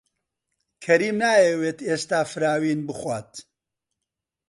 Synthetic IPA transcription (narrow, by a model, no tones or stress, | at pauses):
kʰɐɾiːmnaːjɛweːt̪est̪aːfɨɾaːwiːnbɨxwaːt̪